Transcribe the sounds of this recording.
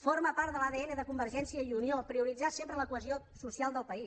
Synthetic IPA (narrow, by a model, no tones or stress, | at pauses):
foɾməpaɾt̪d̪əlaðeɛnəðəkumbəɾʒɛnsiəiuniopɾiuɾid͡zasempɾələkuəzio | susialˠd̪əlˠpəis